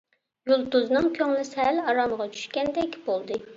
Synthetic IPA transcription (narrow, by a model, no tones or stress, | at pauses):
julˠd̪uznɨŋkʲʰøŋlɪsɪɦælɑɾɑməʁɑt͡ʃʰy̥ʃkʲɛnd̪ɛkʲb̥olˠd̪ɨ